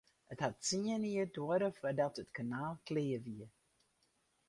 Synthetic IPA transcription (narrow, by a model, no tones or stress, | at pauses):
əthatt͡siəniədoəɾəfədɔtətkanaːlˠkleːəʋiə